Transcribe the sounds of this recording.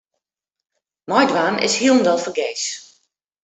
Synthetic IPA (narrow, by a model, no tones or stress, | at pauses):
mɔjdʋaːmɪ̰shiəlˠn̩dɔlˠfərɡeːs